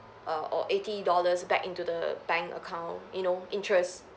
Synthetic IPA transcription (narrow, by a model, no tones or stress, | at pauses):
ʔʌɔ̰ʔetidɔləsbɛkĩntudəbɛ̃ŋkə̰kʰãʊ̃njunoĩntɹɛs